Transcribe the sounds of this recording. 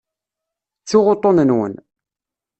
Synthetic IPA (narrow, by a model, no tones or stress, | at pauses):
t͡sːiʁot̪ˤːonənwə̰n